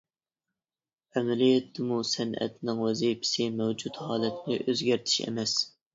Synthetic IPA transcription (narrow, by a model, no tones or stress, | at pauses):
ɛmɛlijɛt̪ʰːɪmusɛnɛ̰t̪ʰnɪŋwɛzipʰɪ̥sɪmɛwd͡ʒut̪hɑːlɛt̪ʰnɪʔøzɡʲæɾt̪ʰɪ̥ʃɛ̰mɛs